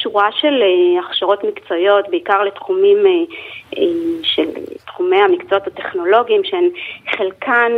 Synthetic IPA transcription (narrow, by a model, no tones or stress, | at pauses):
ʃuʁaʃeleaχʃaʁo̞tmikt͡so̞jo̞tbeikaʁletχumim | eʃeltχumehamikt͡soototeχnolo̞ɡiimʃeenχelkʰan